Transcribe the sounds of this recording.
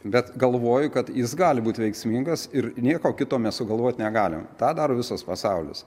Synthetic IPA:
bʲɛt̪ɡɐlˠʋoːjʊkɐt̪jɪsɡɑːlʲɪbuːt̪ʲʋʲɛɪksʲmʲiŋɡɐsɪrnʲiɛkoːkʲɪt̪oːmʲɛsʊɡɐlˠʋoːt̪ʲnʲɛɡɑːlʲɪ̰mt̪ɑːd̪ɑːɾoːʋʲɪsɐspɐsɑʊlʲɪ̰s

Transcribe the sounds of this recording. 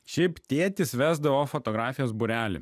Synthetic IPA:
ʃʲɛɪpt̪ʲeːt̪ʲɪsʋʲæːzd̪ɐʋoːfot̪ɔːɡɾɑːfʲɪjoːsbʊɾʲæːlʲɪ̰

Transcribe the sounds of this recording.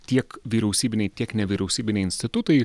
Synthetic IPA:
t̪ʲiɛkʋʲiːɾʲɛʊsʲiːbʲɪnʲɛɪt̪ʲiɛknʲɛʋʲiːɾʲɛʊsʲiːbʲɪnʲɛɪnʲsʲt̪ʲɪt̪ʊt̪ɐɪ

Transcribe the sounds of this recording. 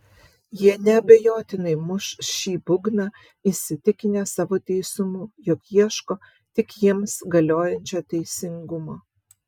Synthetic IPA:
jiɛnʲɛɐbʲɛjoːt̪ʲɪnɐɪmʊʃʃʲiːbʊɡnɑ | isʲɪt̪ʲɪkʲɪnʲeːsɑːʋoːt̪ʲɛɪsʊmuːjɔkjiɛʃkoː | t̪ʲɪkjiɛmsɡɐlʲoːjɛnʲt͡ʃʲoːt̪ʲɛɪsʲɪŋɡʊmoː

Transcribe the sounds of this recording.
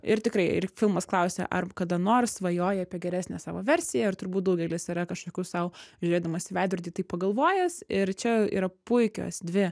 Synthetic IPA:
ɪɾt̪ʲɪkɾɐɪɪ̰rfʲɪlˠmɐsklˠɐʊsʲḛʔɐ̰rkɐd̪ɐnoːrsʋɐjoːjɛɐpʲiɛɡʲɛɾʲæsʲnʲɛsɑːʋoːʋʲɛɾʲsʲɪjɛɪɾt̪ʊɾbuːt̪̚d̪ɐʊɡʲɛlʲɪsiɾɐkɐʃkoːkʲuːssɐʊʒʲʊɾʲeːd̪ɐmɐːsʲɪʋʲæːd̪ʲʊɾʲd̪ʲiːt̪ɐɪppɐɡɐlˠʋoːjɛsɪɾt͡ʃʲɛḭːɾɐpʊɪkʲo̰ːsd̪ʲʋʲɪ

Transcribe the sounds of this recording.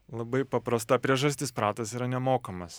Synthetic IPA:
lˠɐbɐɪpɐpɾɐst̪ɑpʲɾʲiɛʒɐsʲt̪ʲɪspɾɑːt̪ɐsiːɾɐnʲɛmoːkɐmɐs

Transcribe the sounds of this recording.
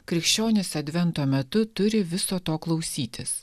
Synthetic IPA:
kɾʲɪkʃʲt͡ʃʲoːnʲɪsɐd̪ʲʋʲɛnt̪oːmʲɛt̪ʊt̪ʊɾʲɪʋʲɪsoːt̪oːklˠɒʊsʲiːt̪ʲɪs

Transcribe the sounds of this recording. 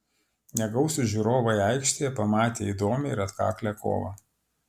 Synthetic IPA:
nʲɛɡɒʊsʲʊʒʲuɾoːʋɐjɑɪkʃʲt̪ʲejɛpɐmɑːt̪ʲḛːid̪oːmʲɪɪɾɐt̪kɑ̰ːklʲɛkʰo̰ːʋɐ̰

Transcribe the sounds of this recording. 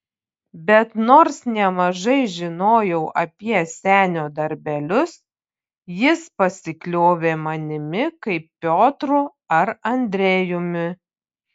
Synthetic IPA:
bʲɛt̪noːɾsnʲɛmɐʒɐɪʒʲɪnoːjɛʊʔɐpʲiɛsʲæːnʲoːd̪ɐɾʲbʲɛlʲʊs | jɪspɐsʲɪklʲoːʋʲeːmɐnʲɪmʲɪkɐɪpːʲoːt̪ɾʊ | ɐɾɐnʲd̪ʲɾʲeːjʊmʲɪ

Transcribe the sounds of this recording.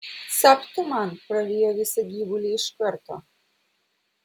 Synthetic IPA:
sapt̪ɔmanpɾaʋijaʋisɛɡʲibulʲiʃkəɾt̪ɔ

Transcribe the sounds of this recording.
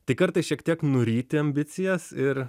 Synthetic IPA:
t̪ɐɪkɐɾt̪ɐɪsʃʲiɛkt̪ʲiɛknʊɾʲiːt̪ʲɪɐmʲbʲɪt̪sʲɪjɛsɪɾ

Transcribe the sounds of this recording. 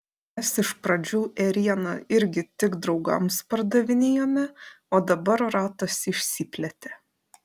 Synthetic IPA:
mʲɛsɪʃpɾɐd͡ʒʲuːʔɛɾʲiɛnɐɪɾʲɡʲɪt̪ʲɪɡd̪ɾɒʊɡɐ̰mspɐɾd̪ɐʋʲɪnʲeːjoːmʲɛ | oːd̪ɐbɐɾɾɑːt̪ɐsɪʃʲsʲiːpʲlʲɛt̪ʲe

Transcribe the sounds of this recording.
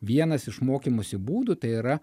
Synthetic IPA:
ʋʲiɛnɐsɪʃmoːkʲimosʲɪbuːd̪ʊt̪ɐɪiɾɐ

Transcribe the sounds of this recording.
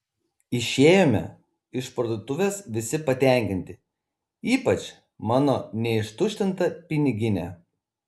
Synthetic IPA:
ɪʃʲeːjoːmʲɛ̰ | ɪʃpɾɐd̪ot̪ʊʋʲeːsʋʲɪsʲɪpɐt̪ʲæˑŋʲkʲɪnʲt̪ʲɪ | iːpɐt͡ʃʲ | mɑːnonʲɛɪʃt̪ʊʃʲt̪ʲɪnt̪ɐpʲɪnʲɪɡʲɪnʲɛ̰

